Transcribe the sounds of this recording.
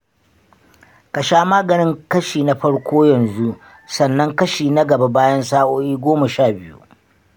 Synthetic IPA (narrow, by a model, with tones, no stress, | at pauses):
ka˨ʃaː˦maː˦ɡɐ˨nɪ˦ŋkɐ˦ʃiː˨na˦ɸɐ˦ɽkʷoː˦jɐ˨nzu˦ʔ | sɐ˨nːɐ˦ŋkɐ˦ʃiː˨na˦ɡɐ˨ba˦baː˦jɐ˦nsaː˦ʔoː˦ʔiː˦ɡʷoː˦ma˨ʃaː˦˨bɪ˦jṵ˦ʔ